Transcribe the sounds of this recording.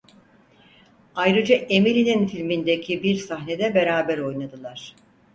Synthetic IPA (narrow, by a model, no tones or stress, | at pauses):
ajɾɯd͡ʒaʔemilʲininfilʲmind̪ecʰibiɾsaɦne̞d̪ɛbe̞ɾaːbæɾo̞jnad̪ɯlˠaɾ̥